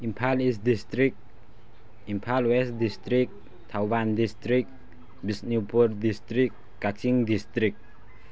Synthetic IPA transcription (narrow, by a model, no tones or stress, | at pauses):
impʰalisd̪ist̪ɾik̚ | impʰalwɛsd̪ist̪ɾik̚ | t̪ʰawwand̪ist̪ɾik̚ | bisnipurd̪ist̪ɾikːat͡ʃiŋd̪ist̪ɾik̚